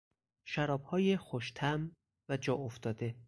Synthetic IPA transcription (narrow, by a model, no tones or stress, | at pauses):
ʃæɾɒːb̥hɒːjexoʃt̪ʰæm | væd͡ʒɒːoft̪ɒːd̪e